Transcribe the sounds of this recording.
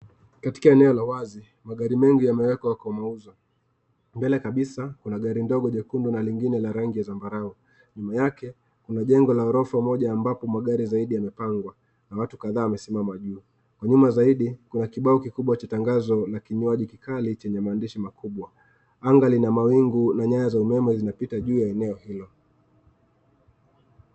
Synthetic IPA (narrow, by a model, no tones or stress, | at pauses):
kati̥kaɛnɛɔlawazi | maɠaɾimɛŋɡijamɛwɛkwawakɔmauza | mbɛlɛkaɓisakunaɠaɾindɔɠɔʄɛkundɔnaliŋɡinɛlaɾaŋɡijazambaɾaɔ | ɲumajakɛ | kunaʄɛŋɡɔlaɔɾɔfamɔʄaːmbapɔmaɠaɾizaiɗijamɛpaŋɡwa | nawatu̥kaðaːwamɛsimamaʄuː | kwaɲumazaiɗikunakiɓaɔkikuɓwat͡ʃataŋɡazɔlakiɲuaʄikikʰalit͡ʃɛɲɛmaːndiʃimakʰuɓwa | aŋɡalinamawiŋɡunaɲajazaumɛmɛzinapitaʄuːjaɛnɛɔhilɔ